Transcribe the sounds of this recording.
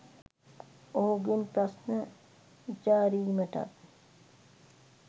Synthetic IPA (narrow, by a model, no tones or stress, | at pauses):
oɦuɡinpɾɐsnə | d͡ʒaːɾiːməʈa̰t̪̚